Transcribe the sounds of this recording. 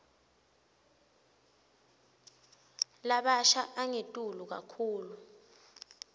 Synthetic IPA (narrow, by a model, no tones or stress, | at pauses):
laɓaʃaʔaŋetʼuluk̬a̰kʰuːlu